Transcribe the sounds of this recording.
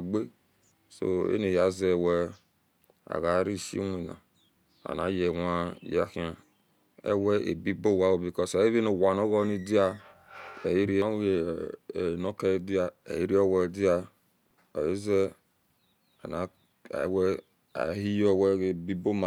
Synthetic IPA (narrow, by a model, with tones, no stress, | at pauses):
ɡ͡be˦ | so̰˦ḛ˦ne˨ja˨ze˦˨wɛ˦ | a̰˨ɣa˨˦ɾi˦˨ʃḭ˦wi˨na̰˨ | a̰˨na̰˨˦je˨wa˦˨ja̰˨ki˦a˨ | ḛ˦wɛ˦ḛ˨bi˦bo˦˨wa˦wo˨bi˨kɔ˦sa˨˦e˦βi˦no˨wa˨no˦ɣɔ˦ni˦di˦a˦ | e˨ji˦ɾi˦a˦e˨ | no˦ke˦di˦a˦ḛ˨ji˦ɾi˦o˦wɛ˨di˦a˦ | a̰˨je˦ze˦ | a̰˨na̰˨˦ | wɛ˦ | a̰˨˦hi˦jo˦˨wɛ˦e˨bi˦bo˦ma˨